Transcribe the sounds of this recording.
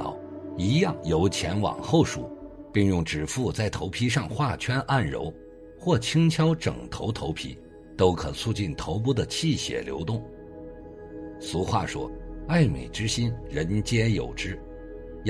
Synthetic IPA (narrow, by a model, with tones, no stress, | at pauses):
ɑ̰˨˩˦ʊi˧˥jɑ˥˩ŋjo˧˥ʊt͡ɕʰjɛ˧˥nwɑ̰˨˩ŋxo˥˧ʊʂṵ˨˩pi˥˧ŋjʊ˥˩ŋʈ͡ʂɻ̩˨˩fu˥˧t͡sa˥˩ɪt̪ʰo˧˥ʊpʰi˥ʂ̬ɑ˥˧ŋxwa˥˩t͡ɕʰɥɛ˥nʔa˥˩nɻo̰˧˥ʊ | xwɔ˥˩t͡ɕʰi˥ŋt͡ɕʰjɑ˥ʊʈ͡ʂɤ̰˨˩ŋt̪ʰo˧˥ʊt̪ʰo˧˥ʊpʰḭ˥ | t̪o˥ʊkʰɤ˨˩t͡sʰu˥˧t͡ɕi˥˩nt̪ʰo˧˥ʊp̬u˥d̪ə˨t͡ɕʰi˥˩ɕjɛ̰˨˩ljo̰˧˥ʊt̪ʊ˥˩ŋ | su˧˥xwa̰˥˩ʂwɔ̰˥a˥˩ɪmḛ˨˩ɪʈ͡ʂɻ̩˥ɕi˥nɻə˧˥nt͡ɕjɛ˥jo̰˨˩ʊʈ͡ʂɻ̩˥